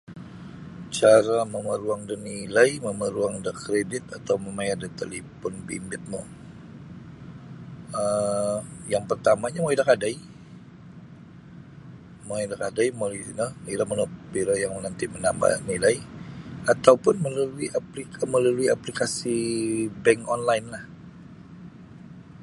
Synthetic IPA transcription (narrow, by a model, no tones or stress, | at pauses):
t͡ʃaɾaməməɾuaŋdənilajməməɾuaŋdəkɾedɪt̪̚at̪awməmajadət̪ḛlepɔnbḭmbɪt̪̚mo̰ | ə | jaŋpərt̪amaɲamoidakadaj | moidakadajmoinəniɾamənobiɾajaŋmənant̪imənamba̰hnilaiat̪awpʊnməlaluiʔaplikʰaməlaluiaplikasibɛŋkɔnlaɪnlah